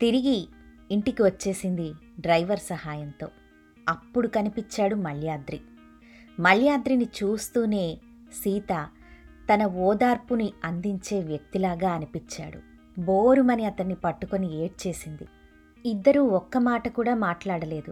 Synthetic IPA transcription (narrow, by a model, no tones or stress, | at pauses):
t̪iɾiɡiː | ɳʈikiʋɐt͡ʃːe̞ːsind̪i | ɖɾɐjʋɐɾsɐhaːjɐnt̪o̞ː | ɐpːuɽukɐnipit͡ʃːaːɽumɐɭjaːd̪ɾi | mɐɭjaːd̪ɾinit͡ʃuːst̪uːne̞ː | siːt̪ɐ | t̪ɐnɐɔːd̪aːɾpuniɐnd̪iɲt͡ʃe̞ːʋjɐk̚t̪ilaːɡaːɐnipit͡ʃːa̰ːɽṵ | boːɾumɐniɐt̪ɐnːipɐʈːuko̞nie̞ːʈ̚t͡ʃe̞ːsind̪i | id̪ːɐɾuːɔkːɐmaːʈɐkuːɽaːmaːʈlaːɽɐle̞ːd̪u